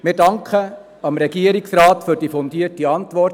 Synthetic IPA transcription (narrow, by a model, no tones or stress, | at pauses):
mɪɾdɑŋkʰχə | ɑmɾɛɡiəɾiksrɑːtfyɾdiːfɔndiətiɑntʋɔɾt